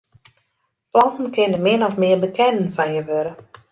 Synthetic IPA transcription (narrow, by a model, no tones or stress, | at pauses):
plɑntn̩kʰɪnənmɪnɔfmɪəbəkʰɛnənfanjəʋøɾə